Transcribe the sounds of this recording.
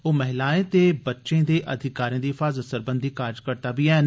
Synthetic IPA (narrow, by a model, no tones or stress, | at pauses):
oːmɛɦɪlaːẽt̪ebɐtːʃẽd̪eːʔɐd̪ʱɪkaːɾijãd̪iːɪfaːzət̪səɾbə̃nd̪ʱikaːɾd͡ʒkəɾt̪abiɛːn